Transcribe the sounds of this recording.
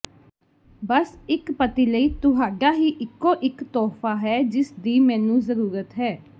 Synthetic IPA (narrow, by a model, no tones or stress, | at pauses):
bəsɪkpət̪iːləiːt̪ʊɦaːɖaːɦiːʔɪkːõːʔɪkt̪ɔːfʰaːɦɛːd͡ʒɪsd̪iːmɛ̃ːnũːzəɾuːɾət̪ɦɛː